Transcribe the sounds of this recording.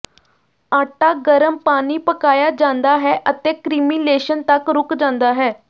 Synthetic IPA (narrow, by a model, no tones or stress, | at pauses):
aʈaɡəɾəmpañiːpəkajad͡ʑãnd̪aɦɛʔət̪ekɾimileɕənt̪akɾukd͡ʑãnd̪aɦɛ